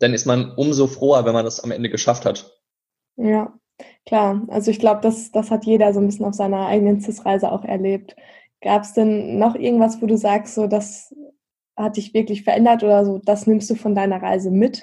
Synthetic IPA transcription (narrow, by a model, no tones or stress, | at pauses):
d̥anɪstmanʔʊmzoːfʁ̥øːɐvɛnmandasa̰mʔɛ̰ndəɡəʃafthat | jaː | kʰl̥aːɐʔa̰lzoɪçɡ̥laʊbəd̥asd̥ashatjeːdɐzoːnbɪsçnaʊfz̥aɪnɐʔa̰ɪɡənənt͡sɪt͡sʁaɪzəʔa̰ʊxɛ̰ɐleːp̚t | ɡ̥aːpəsd̥ɛnːɔχʔɪɐɡŋ̩tv̥asv̥oːduːzaːkstz̥oːdas | hat̚d̥ɪçv̥ɪɐklɪçfɛɐʔɛndɐtʔoːdɐzoːd̥asnɪmstd̥uːfɔndaɪnɐʁa̰ɪzəmɪt